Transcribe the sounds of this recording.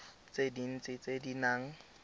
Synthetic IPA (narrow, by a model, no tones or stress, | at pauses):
t͡sʼedin̩t͡sʼɪt͡sʼedinaːŋ̩